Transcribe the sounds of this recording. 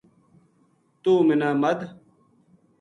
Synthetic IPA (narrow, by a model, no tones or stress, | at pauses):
t̪uːminaːmɐd̪